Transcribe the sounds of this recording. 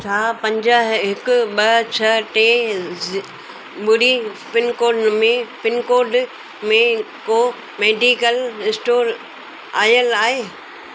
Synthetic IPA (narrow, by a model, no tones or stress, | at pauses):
t͡ɕʰaːpɐ̃ɲd͡ʑəɦɦɪkʊ̆ɓɐt͡ɕʰɐʈe | ɓʊɽipɪnkoːɾɖmẽpɪnkoːɾɖ | mẽ | koː | meːɖiːkəlɪsʈoːɾ | a̰ːjəlaːɦeː